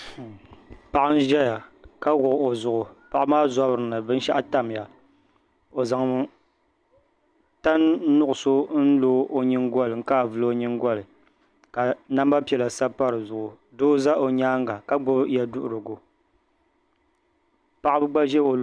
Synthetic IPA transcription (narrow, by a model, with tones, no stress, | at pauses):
pa˨ʔa˦n̩˦ʒɛ˦ja˨ka˦ɣʊ˨ʔo˨zʊ˨ʔʊ˨pa˦˨ʔa˦maː˦za˦bɾɨ˨nɨ˨bɨ˦n̩˦ʃa˦ʔa˦ta˦m˨ja˨ | o˨za˨ŋ˦ | ta˦n˦nʊ˦ʔʊ˨so˦n̩˦loː˦ʔo˦ɲi˦ŋ˦ɡɔ˦lɨ˨ŋ̩˦ka˦˨vɨ˦lo˦ɲɨ˦ŋɡʷɔ˦lɨ˨ | ka˨na˦mba˦pi˨ɛ˨la˨sa˦pa˦ɾɨ˨zʊ˨ʔʊ˨ | doː˦za˦ʔo˨ɲaː˦ŋɡa˨ka˦ɡ͡bʊ˦bja˨dʊ˦ʔʊ˨ɾɨ˨ɡʊ˨ | pa˦ʔa˦bɨ˦ɡ͡ba˦ʒɛ˦o˨